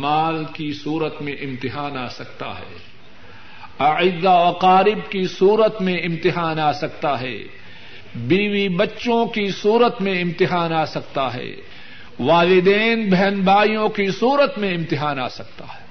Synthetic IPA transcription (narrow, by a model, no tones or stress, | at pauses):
maːlkisuːɾət̪mẽʔɪ̃mt̪ɪɦaːnaːsɐk̚t̪a̰ɦɛ̰ː | ɐɪzːaɐqaːɾɪbkisuːɾət̪mẽɪ̃mt̪ɪɦaːnaːsɐk̚t̪aɦɛ̰ː | biːwibɐtːʃõkisuːɾət̪mẽɪ̃mt̪ɪɦaːnaːsɐk̚t̪aɦɛ̰ː | ʋaːlɪd̪eːnbɛɦɛnbaːijõkisuːɾət̪mẽɪ̃mt̪ɪɦaːnaːsɐk̚t̪a̰ɦɛ̥ː